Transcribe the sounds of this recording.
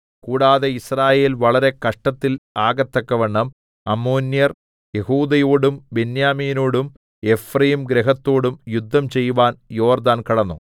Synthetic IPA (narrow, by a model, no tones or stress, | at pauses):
kuːɽaːðeisraːje̞ːlʋɐɭɐɾe̞kɐʂʈɐt̪ːilaːɡɐt̪ːɐkːɐʋeɳːɐm | ɐmoːnjɐr | jehuːd̪ɐjoːɽumbenjaːmiːnoːɽum | e̞frɐjimɡɾeɦɐt̪ːoːɽumjud̪ʱːɐmt͡ɕe̞jːuʋaːnjo̞ːrd̪aːnkɐɽɐnːṵ